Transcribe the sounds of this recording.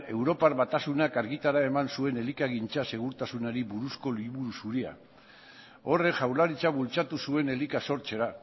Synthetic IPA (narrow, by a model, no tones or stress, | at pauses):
e̞wɾo̞paɾβat̪asunakaɾɣit̪aɾae̞mansue̞ne̞likaɣ̞int͡sase̞ɣuɾt̪asunaɾiβuɾusko̞liβuɾusuɾia̰ | o̞re̞ʝawlaɾit͡saβult͡sat̪usue̞ne̞likaso̞ɾt͡ʃe̞ɾa